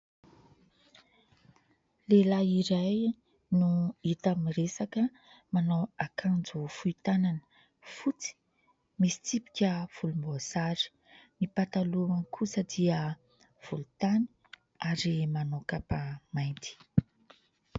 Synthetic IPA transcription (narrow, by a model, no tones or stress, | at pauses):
lelaiɾaj | nuit̪amiresakə | manowakʰand͡zufuit̪ananə̥ | fut͡si̥ | misi̥t͡sipi̥kʲəv̥ulumboasaɾi̥ | mipat̪aluaŋkʰusəd̪iə | v̥ulut̪ani̥ | aɾimanowkapamajnt̪i̥